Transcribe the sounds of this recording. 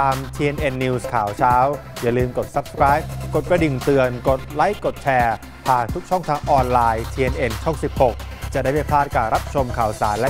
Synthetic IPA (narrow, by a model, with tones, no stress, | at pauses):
t̪aː˧mt̪ʰiː˧e˧nʔe˧nːiː˧skʰaː˩˦wt͡ɕʰaː˦˥wja˨˩lɯː˧mko˨˩t̪̚sa˧˦˥p̚sə̥kɾaː˦˥jp̚ko˨˩t̪̚kɾa˧di˨˩nt̪ɯ˨˩ənko˨˩t̪̚la˦˥jkːo˨˩t̪̚t͡ɕʰɛː˧ | p̪ʰaː˨˩nt̪ʰu˦˥k̚t͡ɕʰɔ˥˩ŋt̪ʰaː˧ŋʔɔː˧nlaː˧jt̪ʰiː˧ʔe˧nʔe˧nt͡ɕʰɔ˥˩ŋsi˨˩p̚ho˨˩k̚t͡ɕa˨˩da˥˩jpa˥˩pʰlaː˥˩t̪̚kaː˨˩ɾa˦˥p̚t͡ɕʰo˧mkʰaː˩˦wsaː˩˦nlɛ˦˥